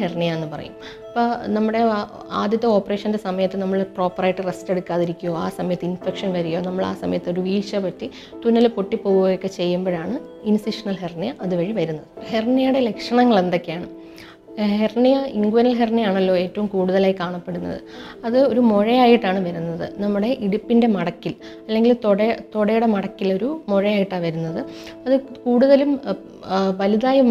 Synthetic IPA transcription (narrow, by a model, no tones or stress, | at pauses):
ernijɐenːɨpɐrɐ̰jṵm | ɐpːoːnɐmːuɽe̞ | a̰ːd̪jɐt̪ːɐo̞ːpːɐre̞ːʂɐnde̞sɐmɐjɐt̪ːɨnɐmːɐɭpro̞ːpːɐrɐjʈːɨresteɽukːaːðiɾikʲːujoːaːsɐmɐjɐt̪ːɨinfekʂɐnʋɐɾujo̞ːnɐmːɐɭa̰ːsɐ̰mɐjɐt̪ːɨo̞ɾuʋiːʂɐpɐtːi | t̪unːɐlpo̞ʈːipːo̞ːɣuojokːe̞t͡ɕe̞jːumboːɻaːɳɨ | insiʂɐnɐlɦernijɐʔɐðɨʋɐɻiʋɐɾunːɐðɨherɳijɐjuɽe̞lekʂɐɳɐŋːɐɭe̞nd̪o̞kːejaːɳɨ | hernijɐiŋɡuʋɐnɐlɦernijaːɳɐlːo̞ːe̞ːtːɐʋumkuːɽuðɐlaːjikːaːɳɐpːe̞ɽunːɐ̰ðɨ̰ | ɐðɨo̞ɾumoɻɐjaːjiʈːaːɳɨʋɐɾunːɐðɨ̰nɐmːuɽe̞ʔiɽupːinde̞mɐɽɐkːil | ɐlːe̞ŋɡilt̪oɽɐt̪oɽɐjuɽe̞mɐɽɐkːilo̞ɾumoɻɐjaːjiʈːaːnʋɐɾunːɐðɨɐðɨkuːɽuðɐlum | ʋɐliðaːjɐm